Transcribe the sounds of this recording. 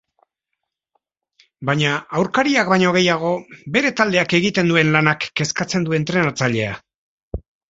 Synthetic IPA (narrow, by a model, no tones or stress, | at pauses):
baɲaawɾkaɾiakbaɲo̞ɣ̞e̞jaɣ̞o̞be̞ɾe̞t̪ald̪e̞ake̞ɣit̪e̞nd̪ue̞nlanakːe̞skat͡se̞nd̪ue̞nt̪ɾe̞nat͡saʎe̞a